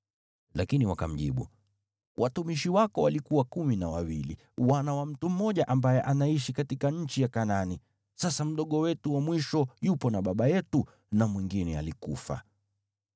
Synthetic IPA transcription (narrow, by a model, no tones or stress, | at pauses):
lakiniwakam̩ʄḭɓṵ | wʔatumiʃiwakɔwalikuwakuminawawilḭ | wanawam̩tum̩mɔʄaʔambajɛʔanaiʃikatikaɲ̩t͡ʃijakanani | sasam̩ɗɔɠɔwɛtuwamwiʃɔjupɔnaɓaɓajɛtu | namwiŋɡinɛalikufa̰